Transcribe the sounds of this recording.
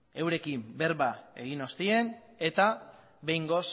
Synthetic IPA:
e̞wɾe̞kimbe̞ɾβae̞̰ɣino̞st̪ie̞n | e̞t̪a | βe̞jŋɡo̞s

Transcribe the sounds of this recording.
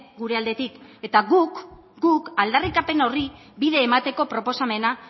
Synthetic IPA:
ɡuɾe̞ald̪e̞t̪ike̞t̪aɣuk | ɡukald̪arikape̞no̞ri | biðe̞ːmat̪e̞ko̞pɾo̞po̞same̞na

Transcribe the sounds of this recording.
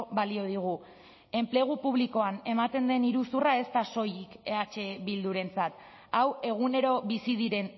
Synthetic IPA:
βalio̞ð̞iɣ̞u | e̞mple̞ɣ̞upuβ̞liko̞ane̞mat̪e̞nd̪e̞niɾusurae̞st̪aso̞jike̞at͡ʃe̞βild̪uɾe̞nt͡sat̪ | awe̞ɣ̞une̞ɾo̞βisið̞iɾe̞n

